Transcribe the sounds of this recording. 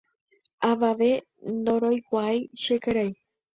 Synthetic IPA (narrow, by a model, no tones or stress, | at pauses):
aʋaʋe | nd̪oɾojkʷajʃekeɾaj